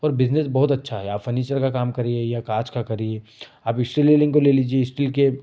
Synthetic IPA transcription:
ɔːɾbɪznesbɔɦʊt̪ɐtːʃʰaɦɛaːpfɐɾniːt͡ʃəɾkakaːmkɐɾẽejakaːɾt͡ʃkakɐɾieː | aːpɪksʈlelɪ̃ŋɡkoleːliːd͡ʒieɪsʈɪlke

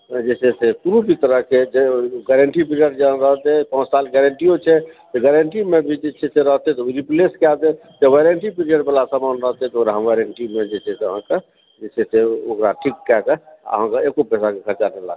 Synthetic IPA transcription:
d͡ʒɛseset̪uɾubʱit̪əɾəɦked͡ʒeɡɛɾəɳʈip̬ɾiəɖd͡ʒaɾəɦt̪ɛpɔ̃t͡ʃsalɡɛɾəɳʈijot͡ʃʰɛt̪ɔɡɛɾeɳʈimebʱid͡ʒet͡ʃʰeseɾəɦt̪ɛt̪ɔoɾipleskat̪ɛ | t̪eʋeɾeɳʈipɾijəɖbəlasəmanɾəɦt̪ɛt̪ɔokɾaɦəmʋeɾəɳʈimed͡ʒɛseseəɦãke | d͡ʒɛseseokɾaʈʰikːɛkeə̰ɦãkeekopɛsakekʰəɾt͡ʃakela̰

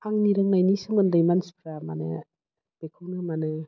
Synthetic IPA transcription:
aŋniɾɯŋnajnisɯŋmɯndajmanspʰɾama̰nɯ̰ | b̥ekʰɯwnɯmanɯ

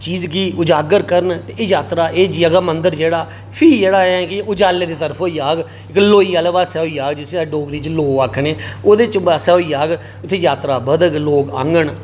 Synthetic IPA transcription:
t͡ʃiːzkiːʊd͡ʒaːɡəɾkəɾənt̪eːeːjaːt̪ɾaːeːd͡ʒjəɡaːmənd̪əɾd͡ʒeːɽaː | pʰiːd͡ʒeːɽaːɛ̃ːkɪʊd͡ʒaːlːeːd̪eːt̪əɾəpʰoːjaːɡ | ɪkloːiːəlʋaːsɛːoiːaːɡd͡ʒɪsĩaɖoːɡɾiːt͡ʃloːaːkʰneːoːd̪eːt͡ʃaːsɛːoiːaːɡ | ʊt̪ʰːeːjaːt̪ɾaːbəd̪əɡloːɡã̰ŋɡəɳ

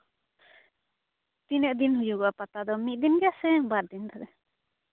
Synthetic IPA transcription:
t̪inɛʔd̪inhujuɡɔapat̪ad̪ɔmit̪̚d̪inɡɛasɛbaɾ̚d̪int̪aɾɛ

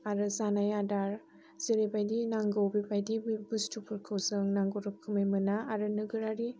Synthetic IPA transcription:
aɾɯzanajadaɾ | z̥əɾebajdinaŋɡowbibajdibustʰupʰɯɾkʰɯwzɯŋnaŋɡoɾɯkʰɯməjmɯnaːɾɯnɯɡɯɾaɾi

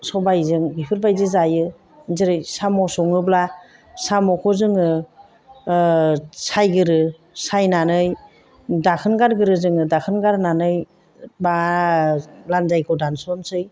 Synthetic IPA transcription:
sɔbajzɯŋbipʰɯɾbajzɯzajɯ | zɯɾɯjsamɔsɔŋɯbla | samɔkʰɔzɯŋɯ | sajɡɯɾɯ | sajnanɯj | dakʰɯnɡaɾɡɯɾɯzɯŋɯdakʰɯnɡaɾnanɯj | ba | lanzajkʰɯdansɔnsɯj

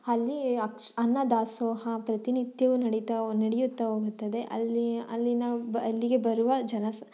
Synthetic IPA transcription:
ɐlːiɐkɐnːɐd̪aːsoːɦɐpɾɐt̪inid̪jɐʋunɐɽit̪ɐnɐɽejut̪ːɐɦoːɡut̪ːɐd̪e̞ʔɐ̰liɐ̰lːinɐɐlːiɡe̞bɐɾuʋɐd͡ʒɐnɐs

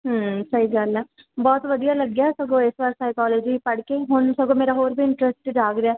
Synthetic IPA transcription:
ɦəsəɦiːɡəlɛː | bɔːt̪ʋəd̪ijaːləɡjaːsəɡõːɪsʋaːɾsaːɪkɔːloːd͡ʒipəɽkeːɦʊnsəɡõːmeːɾaɦoːɾbʱiːɪɳʈɾɛsʈːd͡ʒaːkɾɪaː

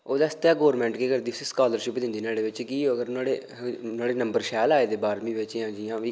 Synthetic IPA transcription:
oːd̪aːst̪aːɡɔːɾmɛ̃ːɳʈkeːkəɾd̪iːsiskaːləɾʃɪpd̪ɪ̃nd̪iːneːɽeːʋɪt͡ʃkiːoəɡəɾnaːɽeː | naːɽeːnəmbəɾʃɛːlaːeːd̪eːbaːɾmĩːʋɪt͡ʃjãːd͡ʒɪjãːʋiː

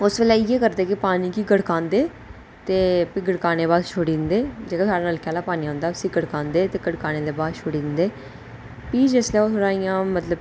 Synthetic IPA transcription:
ʊsbeːlɛːiːeːkəɾd̪eːkɪpaːniːkiːɡəɽkãːnd̪eː | t̪eːpɪɡəɽkaːneːβaːd̪ʃʰoːɽiːnd̪eːd͡ʒeːkasaːɽaːnəlkʰɛaːlaːpaːniːɦʊ̃nd̪aːsĩːɡəɽkãːnd̪eːt̪eːɡəɽkaːneːd̪eːbaːd̪ʃʰoːɽiːd̪ɪnd̪eː | piːd͡ʒeːslɛːosʊɽaːijãːmət̪ləb

